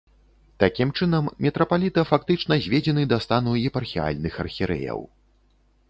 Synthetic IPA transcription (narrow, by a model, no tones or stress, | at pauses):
t̪akʲimt͡ʂɨnɐmːʲɛt̪ɾɐpalʲit̪ɐfakt̪ɨt͡ʂn̪ɐzʲvʲed͡zʲɛnɨd̪ast̪anuɛpɐrxʲia̰lʲnɨxɐrxʲiɾɛ̰jɐ̰w